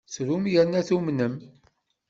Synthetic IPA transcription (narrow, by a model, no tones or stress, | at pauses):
sɾumjənæθumnəm